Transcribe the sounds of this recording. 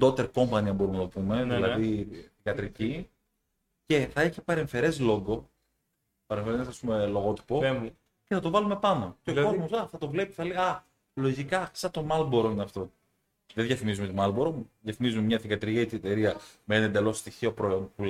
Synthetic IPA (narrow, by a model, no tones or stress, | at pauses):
d̪o̞t̪eɾko̞mpɐniɐmbo̞umenɐt̪opume̞ðilɐðiθiɡɐt̪ɾici | ce̞θɐeçipɐɾe̞ɱfe̞ɾe̞zlo̞ŋɡo̞ | pɐɾeɱfeɾeznɐsɐsumelo̞ɣo̞t̪i̥po̞ | ceθɐt̪ovɐlume̞pɐno̞ceoko̞zmosɐθɐt̪ovle̞pi̥θɐleɐ | lo̞ʝikɐsɐt̪o̞mɐlboɾoineɐft̪o̞ | ðeðʝjɐfimizume̞t̪imɐlboɾoðjɐfimizumemɲɐθiɡɐt̪ɾiit̪it̪eɾiɐmeeːnɐend̪e̞lo̞st̪içio̞pɾoonpu